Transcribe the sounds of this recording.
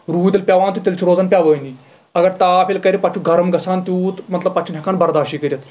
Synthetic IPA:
ɾuːt̪ʲelpʲaʋaːnt̪it̪ʲelt͡ʃʰiɾoːd͡zanpʲaʋəːni | ɐɡɐɾt̪aːpʲelkɐɾipat͡ʃʰuɡʱɐɾɐmɡɐsaːnt̪uːt̪mɐt̪lɐbpat͡ʃʰinʲɦɐkaːnbɐɾd̪aːʃikəɾʲɐt̪

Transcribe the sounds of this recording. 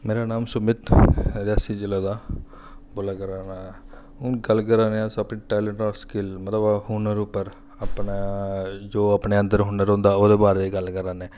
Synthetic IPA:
meːɾaːnaːmsʊmɪt̪ɾaːsiːd͡ʒɪlaːd̪aː | boːlaːkəɾaːnaɛ | ɦʊnɡəlkəɾaːneãːsapniːʈɛːlɛɳʈɔːskɪlmət̪ləbhuːnəɾuːpːəɾ | apna | d͡ʒoːaːpneːənd̪əɾɦʊːnəɾɦõːnd̪aːoːd̪eːbaːɾeiɡəlkəɾaːnɛː

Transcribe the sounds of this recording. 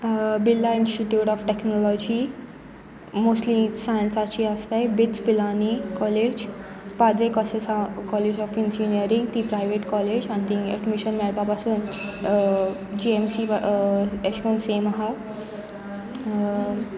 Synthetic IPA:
bilːainsʈiʈjuːʈɔfʈeknɔlɔd͡ʑi | mosʈlisajənsat͡ɕiast̪abit̪t͡sbilanikɔled͡ʑ | pad̪ɾekɔsesakɔled͡ʑɔfind͡ʑinijəɾĩŋɡt̪ipɾajʋeʈkɔled͡ʑãnt̪ĩŋɡɛ̰ɖmiʃənmɛɭpapasuːn | d͡ʑiemsi | eskonseːmaɦa

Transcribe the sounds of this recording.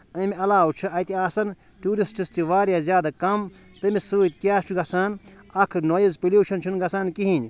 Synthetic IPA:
ɐ̃miɐlaːwt͡ʃʰɐɐjt̪iaːsɐn | ʈuːɾisʈist̪iʋaːɾjaːzʲjaːd̪ɐkɐm | t̪ɨmisuːt̪̚kjaːt͡ʃʰuɡɐsaːnɐkʰnoːjizpiljuːʃɐnt͡ʃʰunɡɐsaːnkiɦinʲ

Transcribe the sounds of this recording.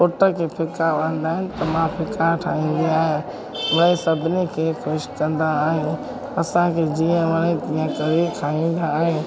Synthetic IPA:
poʈəkʰeːpʰɪkaʋə̃n̆d̪aːɦɪnɪ̆t̪ɐmãpʰɪkaɾʈʰaːĩːn̆d̪iaːɦɪj | ʋɐɽ̃ẽsɐbʱɪnikʰeːkʰoʃkɐ̃nd̪aːɦe | ɐsãkʰeːd͡ʑiːə̃ʋɐɽ̃ẽt̪iːə̃kɐɾekʰaːĩːn̆d̪aːɦẽ

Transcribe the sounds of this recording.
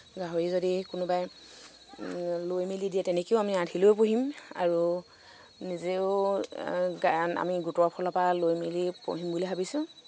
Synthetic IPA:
ɡaɦoɹizodikunubaj | lojmilidijɛtɛnɛkeʊamiatʰilojpoɦima̰ɹu | nizeʊ | ɡaa̰miɡutɔɔpʰɔlɔpalojmilipo̰ɦimbulibʱabisʊ̃

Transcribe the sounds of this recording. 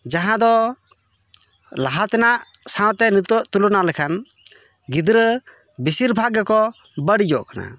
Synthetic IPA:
d͡ʒaɦãd̪ɔ | laɦat̪ɛnaʔ | sãw̃t̪ɛnut̪ɔʔt̪ulunalɛkʰan | ɡid̪ɾə | bisiɾbʱaɡɛkɔ | bəɽid͡ʒɔʔkana̰

